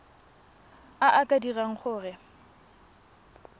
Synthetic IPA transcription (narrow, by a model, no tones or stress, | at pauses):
aʔakʼadiraŋ̩χʊːrɪ